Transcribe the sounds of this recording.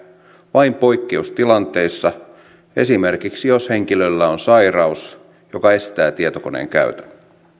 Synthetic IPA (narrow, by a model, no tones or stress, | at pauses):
ʋɑimpo̞ikːeust̪ilɑnt̪e̞isːɑ | e̞̰simerkiksijoshe̞ŋkilølːæonsɑirɑus | jokɑe̞st̪æːt̪iet̪okonḛːŋkæ̰yt̪æn